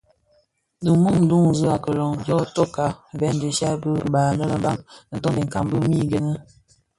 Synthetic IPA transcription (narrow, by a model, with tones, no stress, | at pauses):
də˨mu˦ŋ̩˦du˦ŋzə˦a˨kə˨lɔ˨ŋbjɔ˦to˦ka˨vɛ˦n˦di˨ʃa˦bə˦baː˨nə˦lə˦mba˦ŋnə˨tɔ˦ndə˨ŋ̩˨ka˨mbə˦mi˦˨ɡə˦nə˦